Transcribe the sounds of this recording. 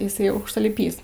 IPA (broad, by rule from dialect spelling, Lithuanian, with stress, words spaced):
ɪˈsɐɪ ɐʊkʃtɐlʲɪˈpʲiːs